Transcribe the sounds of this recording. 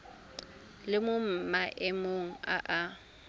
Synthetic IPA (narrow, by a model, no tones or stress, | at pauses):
lɪmʊm̩maʔɪmoŋ̩a̰ʔa